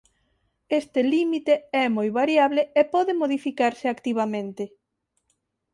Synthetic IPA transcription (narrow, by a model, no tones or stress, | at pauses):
est̪elimit̪eɛmojβaɾjaβleepɔðemoðifikaɾsɪakt̪iβ̞amẽnt̪ɪ